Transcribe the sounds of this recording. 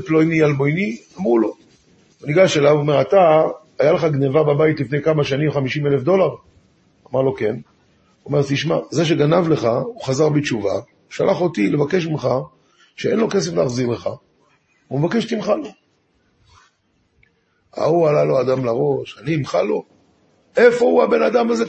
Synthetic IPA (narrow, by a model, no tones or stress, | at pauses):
plojnialmo̞jniamʁulo̞ | oniɡaʃelavoome̞ʁat̪aː | jaleχaɡnevababajit̪lifne̞jkamaʃanimχamiʃimelefd̪o̞laʁ | amaʁlo̞ke̞n | ome̞ʁt̪iʃma̰zeʃ̬e̞ɡanavle̞χauχazaʁbet͡ʃuva̰ | ʃalʔaχo̞tile̞vake̞ʃ̬imχa | ʃee̞nlo̞kes̬efleaχziʁle̞χa | umevakeʃt̪imχalo̞ | a̰ualalo̞ad̪amlaʁo̞ʃaniimχalo̞ | e̞fo̞uabe̞nadamaze